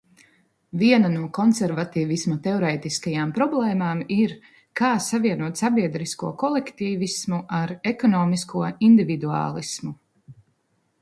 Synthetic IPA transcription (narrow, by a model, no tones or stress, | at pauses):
viɛnanuɔkɔnsɛɾvat̪iːvismɔt̪eɔɾɛːt̪iskajaːmpɾɔblˠɛːmaːmiɾ | kaːsaviɛnuɔt̪sabiɛd̪ɾiskuɔkɔlˠɛkt̪iːvismuʔaɾɛkɔnɔːmiskʰuɔind̪ivid̪ua̰ːlˠismu